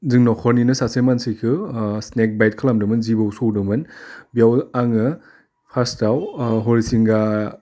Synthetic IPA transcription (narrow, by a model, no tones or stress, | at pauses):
zɯŋnɔkʰɔɾninɯsasemansikʰɯsnek̚bajt̚kʰalamdɯmɯnzibɯwsowdɯmɯnbiawaŋɯ | pʰastawɦɔɾisiŋɡa